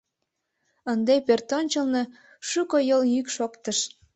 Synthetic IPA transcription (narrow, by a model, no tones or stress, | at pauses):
ənd̪epørt̪onʲt͡ɕəlne̽ | ʃukojəljykʃokt̪əʃ